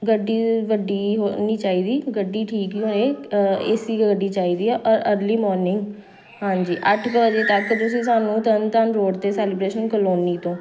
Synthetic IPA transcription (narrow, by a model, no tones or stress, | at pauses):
ɡəɖːiːʋəɖiːɦoniːt͡ʃaːiːd̪iːɡəɖːiːʈʰiːkoːeːḛːsiːkɡəɖiːt͡ʃaːiːd̪iːɛːʔɔːɾəɾliːmɔːɾnɪŋɡ | hãːɲd͡ʒiːʔəʈʰkəʋəd͡ʒeːt̪əkːt̪ʊsĩːs̬aːnũːt̪ənt̪ənɾoːɽt̪eːsɛːlɪbɾeːʃənkəloːniːt̪õː